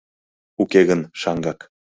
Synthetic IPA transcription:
ukeɣənʃɑŋɡɑk

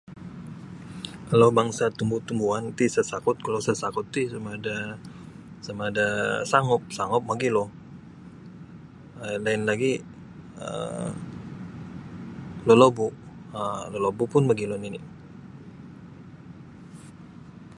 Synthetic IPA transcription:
kalobaŋsat̪umbut̪umbuant̪isasakʊt̪̚kalosasakʊt̪ːisamaːda | samadasaŋɔp̚saŋɔp̚maɡilɔh | əlaɪnlaɡi | ə̰ | lolobuəlolobupʊnmaɡilɔninḭ

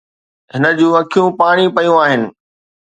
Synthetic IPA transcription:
ɦɪnə̆d͡ʑũːɐkʰijũpaːɽ̃ipɐjũaːɦɪnɪ̆

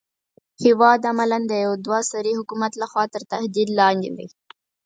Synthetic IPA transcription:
hɪwɑd̪amaland̪əjawd̪wɑsaɾihʊkumat̪laxwɑt̪əɾt̪ahd̪id̪lɑnd̪ḛd̪ḭ

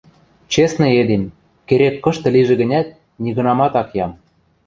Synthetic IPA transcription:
t͡ɕesnɤ̆ed̪em | keɾekːɤ̆ʃt̪ɤ̆liʒĕɡɣə̆nʲæt̪̚ | nʲiɣɤ̆nɑmɑt̪ɑkjɑm

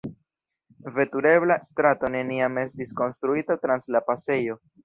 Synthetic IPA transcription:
ve̞tuɾe̞βlastɾato̞ne̞niame̞stisko̞nstɾuitatɾanslapase̞jo̞

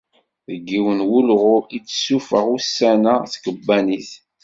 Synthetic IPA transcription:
ðəɡːiwənwulʁʊit͡sːsufəʁusːænaθkəbːæniθ

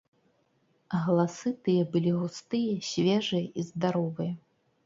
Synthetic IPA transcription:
ɣɐlˠasɨt̪ɨjɛbɨlʲiɣust̪ɨjɐsʲvʲɛʐɨjɐʔizd̪aɾɔvɨjɐ

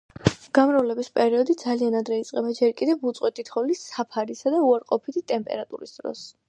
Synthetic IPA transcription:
ɡ̥amɾavlɛbispʼɛɾiɔd̪id̪zalianad̪ɾɛit̪sʼqʼɛbad͡ʒɛɾkʼid̪ɛvut̪sʼqʼwɛt̪ʰit̪ʰχɔlisapʰaɾisad̪auaɾqʼɔpʰit̪ʰit̪ʼɛmpʼɛ̰ɾat̪ʼṵɾisd̪ɾɔ̰s

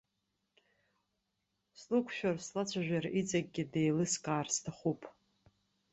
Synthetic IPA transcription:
slukʷʰʃᶣarslat͡ɕʷʰaʒᶣʷarit͡sʼaɡ̚ʲɡʲɪdejlɨskʼaːrstʰaχupʼ

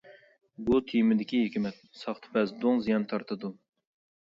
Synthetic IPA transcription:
but̪ʰijmɪd̪ɪkʲiɦekʲimɛt̪̚sɑχt̪ʰɨ̥pɛzd̪oŋzijɑnt̪ʰɑɾt̪ʰɨd̪u

